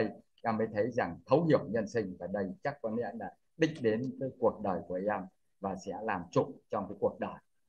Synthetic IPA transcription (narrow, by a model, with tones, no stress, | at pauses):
ə˧j | ʔa˧mːə˨˦jt̪ʰə˨˦jza˨˩ŋt̪ʰə˨˦whi˧˩˨əwɲə˧nsï˧ŋ̟vaː˨˩ɗə˧jt͡ɕa˦˥k̚ːwɔ˨˧˦nɛ̰˧˥nɗa̰ː˧˥ | ɗï˧˥ŋ̟ɗe˨˦nvəː˨˦jku˨˩ək̚ɗəː˨˩jku˨˩ʔi˧ʔa˧m | vaː˨˩sɛ̰˧˥laː˨˩mt͡ɕʊ̰˧˨ŋ͡mt͡ɕɔ˧wŋ͡mkaː˨˦jku˨˩ək̚ɗəː˨˩j